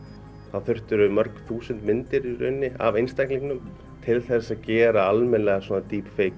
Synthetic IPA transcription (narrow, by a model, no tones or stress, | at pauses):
θaðθʏr̥t̪ʏɾʏmœɾkθuːsʏnt̪mɪnt̪ɪɾʏ̰nːɪa̰vejnst̪ajkliŋknʏm | t̪ʰɪlθɛsːaðcɛːɾaalmɛnlɛɣaswɔːnat̪iːpfeːjk